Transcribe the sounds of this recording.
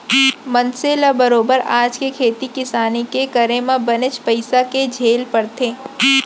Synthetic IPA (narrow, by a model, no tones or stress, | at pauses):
mɐnseːlabɐɾoːbəɾaːd͡ʒkekʰeːt̪ikɪsaːnikekɐɾẽmãbɐnɪt͡ʃpəɪsaked͡ʒʱeːlpɐɾt̪ʰeː